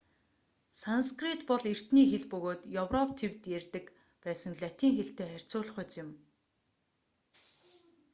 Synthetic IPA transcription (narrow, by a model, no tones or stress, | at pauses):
sanskrit̪pɔɮer̥t̪niːxeɮpɵɣoːt̪jɔwrɔp̚t̪ʰewt̪jærʲt̪ɘ̆k | pæːsə̆ŋɮʲat̪iːŋxeɬt̪eːχær̥ʲt͡sʊːɮ̆χʊːt͡sɪ̆m